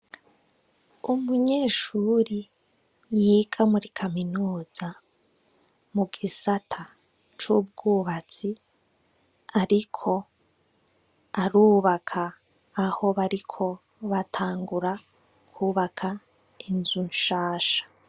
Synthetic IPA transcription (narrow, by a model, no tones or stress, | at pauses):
umuɲe̞ːʃuːɾi | jiːɡamuɾikʰaminuːza | muɡisatʰa | t͡ʃub̚ɡuːβat͡si | aɾikʰo̞ | aɾuːβakʰaː | ho̞βaɾikʰo̞ | βatʰaːŋɡuɾa | kʰuːβakʰa | inzunʃaːʃḁ